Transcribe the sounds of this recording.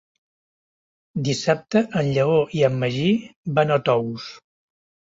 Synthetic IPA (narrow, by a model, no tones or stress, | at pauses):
d̪isap̚t̪əʔənʎəoʔiəmːəʒiβanət̪ɔβus